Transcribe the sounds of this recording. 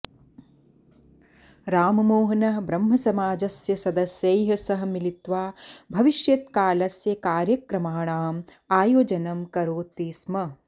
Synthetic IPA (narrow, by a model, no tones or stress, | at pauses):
ɾaːmɐmoːɦɐnɐbɾɐmɦɐsɐmaːd͡ʒɐsjɐsɐd̪ɐsjɐjɦɐsɐɦɐ̆milit̪ʋaːbʱɐʋiʃjɐt̪kaːlɐsjɐkaːɾjɐkɾɐmaːɳaːm | aːjoːd͡ʒɐnɐmkɐɾoːt̪iːsmɐ